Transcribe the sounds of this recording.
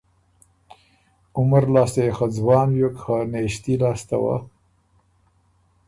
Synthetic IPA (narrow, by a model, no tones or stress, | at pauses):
ʊmaɾlɑːst̪ejexad͡zwɑːnjokxaneʃt̪ilɑːst̪a̰wa̰